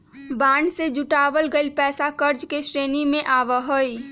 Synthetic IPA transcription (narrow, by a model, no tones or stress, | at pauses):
baːɳɖsed͡ʒʊʈaːʋəlɡəipɛːsakəɾd͡ʒkeʃɾeːnimẽʔaːʋəɦoi